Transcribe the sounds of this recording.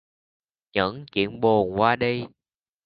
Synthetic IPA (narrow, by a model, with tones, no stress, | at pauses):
ɲə̰˧˥ŋt͡ɕḭ˧˨ənɓo˨˩nkwaː˧ɗi˧